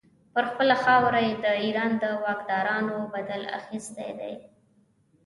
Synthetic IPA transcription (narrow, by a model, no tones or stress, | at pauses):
pəɾxpəlaxɑwɾajed̪əiɾɑnd̪əwɑkd̪ɑɾɑnobad̪ala̰xist̪a̰jd̪a̰j